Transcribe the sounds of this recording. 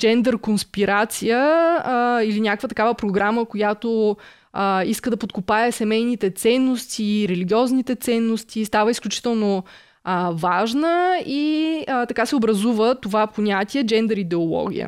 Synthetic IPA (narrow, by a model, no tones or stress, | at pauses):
d͡ʒɛnd̪ɛɾkonspiɾat̪sijə | ilinʲakəkvət̪ɐkavəpɾoɡɾaməkojat̪o | əiskəd̪ɐpot̪̚kopaɛsɛmɛjnit̪ɛt̪sɛnːost̪iɾɛliɡʲiɔznit̪ɛt̪sɛnːost̪ʰist̪avəisklʲut͡ʃi̥t̪ɛlˠno | əvaʒnəiət̪ɐkasɛobɾɐzuvət̪ovapoɲʲat̪ʲiɛd͡ʒɛnd̪ɛɾid̪ɛolˠɔ̰ɡ̟ʲḭjə̰